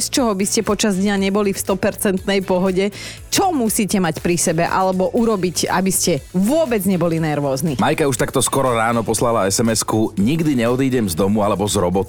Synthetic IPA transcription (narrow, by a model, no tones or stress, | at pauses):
st͡ʃɔɦɔbiscɛpɔt͡ʃazd̪ɲaɲɛbɔlifst̪ɔpɛɾt͡sɛnt̪nɛjpɔɦɔɟɛ | t͡ʃɔmusiːcɛmacpɾisɛbɛʔalɛbɔʔuɾɔbica̰biscɛʋʊɔbɛd͡zɲɛbɔlinɛɾʋɔːznimajkauʃt̪akt̪ɔskɔɾɔɾaːnɔpɔslalaɛsɛmɛskuɲiɡd̪iɲɛɔd̪iːɟɛmzd̪ɔmualɛbɔzɾɔbɔt̪